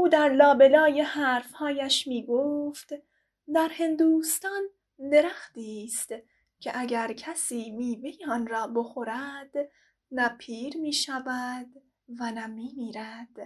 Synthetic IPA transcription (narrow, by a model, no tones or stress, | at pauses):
ʔuːd̪æɾlɒːbe̞lɒːjehæːɾfhɒːjæʃmiːɡoːft̪ | d̪æɾhe̞nd̪uːst̪ɒːn | d̪e̞ɾæxt̪iːst̪ | cʰeʔæɟæɾcʰæsiːmiːve̞jeɒːnɾɒːbo̞xo̞ɾæd̪̥ | næpʰiːɾmiːʃævæd̪ | vænæmiːmiːɾæd̪̥